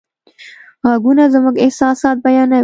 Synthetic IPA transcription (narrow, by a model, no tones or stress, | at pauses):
ɣaɡunazəmuɡɪhsɑːsɑːt̪̚bajɑna